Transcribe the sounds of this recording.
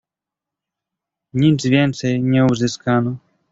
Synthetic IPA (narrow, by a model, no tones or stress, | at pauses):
ɲizvʲjɛnt̪sɛjɲɛuzɘskanɔ